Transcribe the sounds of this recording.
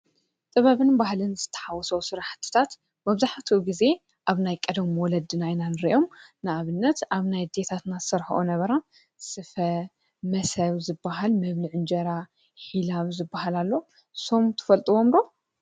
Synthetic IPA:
t̪ʼɨβɐβɨnbahlɨnzɨt̪ʰːɐ̥ħawɔsɐwsɨɾaħt̪ʰːɨ̥t̪ʰat̪ | mɐβzaħt̪ʰiɡize̞ | ʔaβnajkʼɐd̪ɐmwɔlɐd̪ɨnajnanɨɾḭʔo̞mnɨʔaβɨnːɐt̪aβnajd̪et̪ʰat̪nḁsɐɾxɐ̰ʔonɐβɐɾa | sɨfɐ | mɐsɐβzɨbːaɦalmɐβlɨʕɨnd͡ʒɐɾa | ħilaβzɨbːaɦalalːo̞ | so̞mt̪ʰɨ̥fɐlt̪ʼɨwomɾo

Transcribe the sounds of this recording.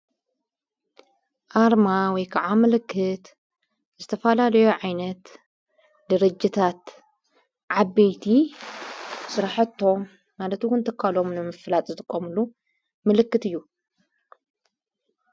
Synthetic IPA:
ʔaɾmawɔjkʰaʕamɨlɨkʰːɨt̪ | zɨt̪ʰɐfɐlalɐjoʕajnɐt̪ | d̪ɐɾɐd͡ʒːit̪ʰat̪ | ʕabejt̪ʰi | sɨɾaħɐt̪ʰːo̞mː | alɐt̪wʊnt̪ʰɐkʰːalo̞mnɨmɨflat̪ʼzɨt̪ʼɨkʼːomɨlu | mɨlɨkːɨt̪ɨjːu

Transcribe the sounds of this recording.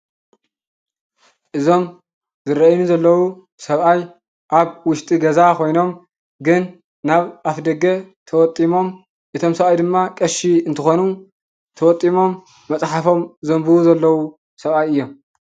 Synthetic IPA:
ʔɨzo̞m | zɨɾɐʔjnuzɐlːɐwu | sɐβaj | ʔaβwʊʃt̪ʼiɡɐzakʰo̞jno̞m | ɡɨnː | aβʔafd̪ɐɡɐ | t̪ʰɐwɔt̪ʼimo̞m | ʔɨt̪ʰo̞msɐβajd̪ɨmːakʼɐʃiɨnt̪ʰɨxonu | t̪ʰɐwɔt̪ʼːimo̞mː | ɐt͡sʼħafo̞mzɐmbɨuzɐlːɐwu | sɐβajɨjːo̞m

